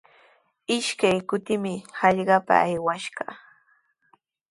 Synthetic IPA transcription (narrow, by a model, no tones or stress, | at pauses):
ɪʃkajkʊt̪ɪmɪhɑʎɢɑpa̰ːjwaʃɢɑ̰